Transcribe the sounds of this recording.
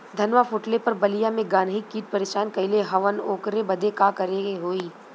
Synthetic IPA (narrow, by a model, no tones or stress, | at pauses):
d̪ʱɐnʋafʊʈlepɐɾbɐlijamẽɡaːnɦikːiːʈ̚pɐɾeːʃaːnkɐɪleɦɐʋənoːkɾebɐd̪ʱekaːkɐɾeɡeɦoːiː